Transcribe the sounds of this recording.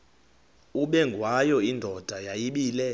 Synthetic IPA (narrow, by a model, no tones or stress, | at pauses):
uɓɛŋɡʱwajɔindʱɔd̥ʱajajiɓiːlɛ